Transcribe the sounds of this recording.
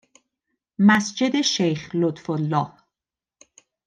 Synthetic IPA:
mæsd͡ʒe̞d̪e̞ʃejxlot̪folːɒːh

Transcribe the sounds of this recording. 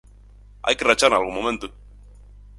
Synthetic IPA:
a̰jkerat͡ʃaɾnalɣũmomẽnt̪o

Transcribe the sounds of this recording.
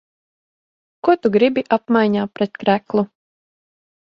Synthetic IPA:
kuɔt̪uɡɾibiʔapmajɲaːpɾɛt̪kɾæklˠu

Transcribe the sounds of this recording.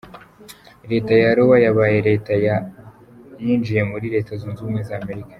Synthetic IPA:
ɾe̞ːtajaɾowajaβaje̞ɾe̞ːtaja | ɲiːnd͡ʒije̞muɾiɾe̞tazuːnzuːmwe̞zaːme̞ɾikḁ

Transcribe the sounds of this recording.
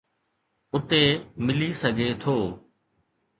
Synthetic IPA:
ʊt̪eːmɪliːsəɡʱeːt̪ʰoː

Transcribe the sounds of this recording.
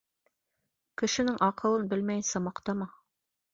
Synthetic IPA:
kɘ̆ʃɘ̆nɘŋʔɑqɤ̆lˠɤnbɘlmæjnsɑmɑqt̪ɑmɑ

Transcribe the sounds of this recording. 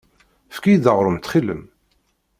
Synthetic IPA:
fkijd̪əʁɾˤəmt̪χilə̰m

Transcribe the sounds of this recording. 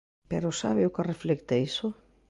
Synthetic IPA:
peɾʊsaβɪʊkereflɛkt̪eisʊ

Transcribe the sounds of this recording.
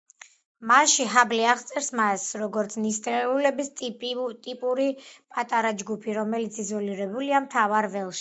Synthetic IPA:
maʃiɦabliaʁt̪sʼɛɾsmasɾɔɡɔɾt̪sʰnist̪ʼɛulɛbist̪ʼt̪ʼipʼuɾipʼat̪ʼaɾad͡ʒɡupʰiɾɔmɛlit̪sʰizɔliɾɛbuliamt̪ʰavaɾvɛlˠʃi̥

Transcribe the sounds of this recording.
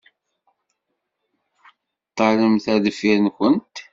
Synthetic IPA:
t̪ˤːɑləmθæðfiɾnkənt̪

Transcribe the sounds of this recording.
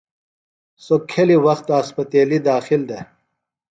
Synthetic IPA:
sokʰːeliwɐxt̪ɐspɐt̪eːlid̪aːxild̪e

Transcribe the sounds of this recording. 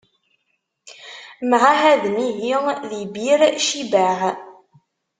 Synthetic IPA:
mʕahæðmiɦiðibiɾʃibæʕ

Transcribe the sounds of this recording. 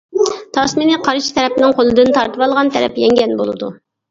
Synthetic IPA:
t̪ʰɑsminɨqʰɑɾɨt͡ʃt̪ʰɛɾɛpnɪŋqʰolˠɨd̪ɨnt̪ʰɑɾt̪ɨwɑlˠʁɑnt̪ʰɛɾɛ̰pjɛŋɡʲɛnbolˠɨ̰d̪u

